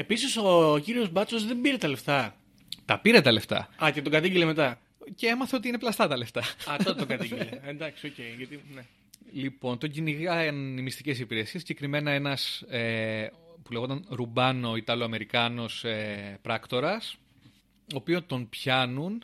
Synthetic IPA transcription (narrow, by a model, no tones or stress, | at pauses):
e̞pisisociɾio̞zbɐt͡sozðembiɾet̪ɐle̞ft̪ɐ | t̪ɐpiɾe̞t̪ɐle̞ft̪ɐ̰ɐt̪et̪oɡɐt̪iɟilemet̪ɐ | cee̞mɐθe̞o̞t̪iineplɐst̪ɐt̪ɐle̞ft̪ɐɐfooɡɐt̪iɟileend̪ɐksioceiʝɐt̪ine | lipo̞nt̪o̞ɟiniɣɐennimist̪ice̞sipiɾe̞siesːiɟe̞kɾime̞nɐe̞nɐse | puleɣot̪ɐnɾubɐno̞it̪ɐloɐme̞ɾikɐno̞sepɾɐkt̪o̞ɾɐs | o̞ːpiont̪o̞npçɐnun